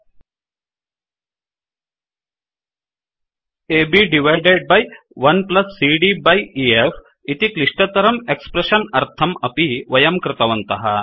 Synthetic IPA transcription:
ebiɖiʋajɖeɖ̚baj | ʋɐnplɐsːiɖibajief | it̪ikliʂʈət̪ɐɾɐmekspɾeɕɐnɐɾt̪ʰɐmɐpiʋɐjɐmkɾɪt̪ɐʋɐnt̪ɐɦa̰

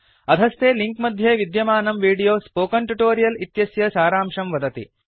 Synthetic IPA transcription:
ɐd̪ʱɐst̪eːliŋkmɐd̪ʱjeːʋid̪jɐmaːnɐmʋiːɽijoːspoːkɐɳʈuʈoːɾijɐlit̪jɐsjɐsaːɾaːmʂɐmʋɐd̪ɐt̪ḭ

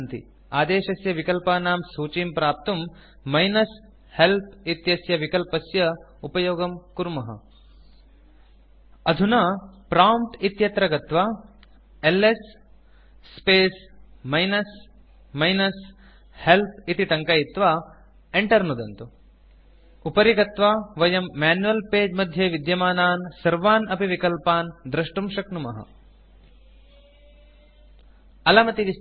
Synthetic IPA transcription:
nt̪ḭ | aːd̪eːʃɐsjɐʋikɐlpaːnaːmsuːt͡ʃiːmpɾaːp̚t̪umː | ɐjnɐs | help̚it̪jɐsjɐʋikɐlpɐsjɐ | upɐjoːɡɐmkuɾmɐɦɐ̰ | ɐd̪ʱunɐpɾaːmʈit̪jɐt̪ɾɐɡɐt̪ʋaː | elesː | peːsmɐjnɐs | mɐjnɐs | help̚ʰit̪it̪ɐŋkɐjit̪ʋa | eɳʈɐɾnud̪ɐnt̪u | upɐɾiɡɐt̪ʋaːʋɐjɐmːaːnjuɐlpeːd͡ʒmɐd̪ʱjeʋid̪jɐmaːnaːnsɐɾʋaːnɐpiʋikɐlpaːnd̪ɾɐʂʈumʃɐknumɐ̰ɦɐ̰ | ɐlɐmɐt̪iʋi

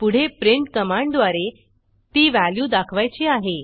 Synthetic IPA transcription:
puɽ̤epɾiɳʈkəmaɳɖd̪ʋaɾe | t̪iːʋæljuːd̪akʰʋajt͡ɕiaɦe

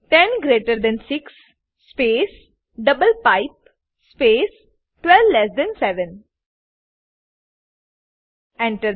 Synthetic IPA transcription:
ʈɛ̃nɡɾeːʈəɾd̪ɛ̃nsɪksː | peːs | ɖʌbəlpaɪp̚ | speːs | ʈʋɛlʋlɛsd̪ɛ̃nsɛʋə̃n | ɛ̃ɳʈəɾ

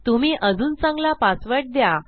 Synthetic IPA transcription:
t̪um̤iːʔəd͡zuːnt͡sãŋɡlapasʋəʈ̚d̪ja

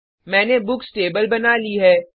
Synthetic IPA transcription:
mɛ̃ːnebʊksʈeːbəlbɐnaːliɦɛː

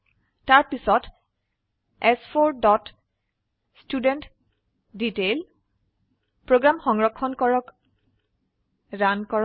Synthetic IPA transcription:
taɹpisɔt | ɛspʰoɹdɔt | studɛnt | ditel | pɹoɡɹamxɔŋɹɔkʰːɔnkɔɹɔk | ɹankɔɹ

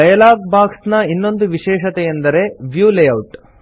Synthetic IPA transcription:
ɐjɐlaːɡ̚baːksnɐinːo̞nd̪uʋiʃɛːʃɐt̪ɛjɐnd̪ɐɾe̞ʋjuːlejɐwʈ

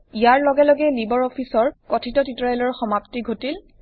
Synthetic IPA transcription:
ijaɹlɔɡɛlɔɡɛlibɔɹɔpʰisɔɹkɔtʰitɔtitɔɹajlɔɹxɔmaptiɡʱotil

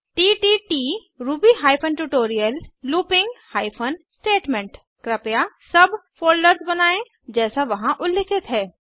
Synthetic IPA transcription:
ʈiːʈiːʈiː | ɾuːbiɦaːɪpʰənʈuːʈoːɾijəlːuːpɪ̃ŋɡhaːɪpʰənsʈeːʈmẽɳʈ | kɾɐpjasɐbfoːlɖəɾzbɐnaːẽ | d͡ʒɛːsaʋɐɦãʔʊlːɪkʰɪt̪ɦɛː

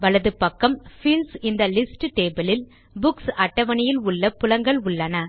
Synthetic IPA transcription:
ʋɐɭɐðɯpɐkːɐmfilsɪnd̪ɐlɪsʈʈeːbɐlɪl | bʊksɐʈːɐʋɐɳɪjɪlʊɭːɐpːʊlɐŋɡɐɭʊɭːɐnɐ

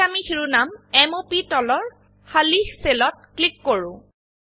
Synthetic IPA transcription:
amixiɹunamɛmopitɔlɔɹ | xalixselɔt̚klikːoɹʊ̃

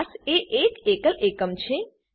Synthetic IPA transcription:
seʔeːkekəlʔekəmt͡ʃʰe

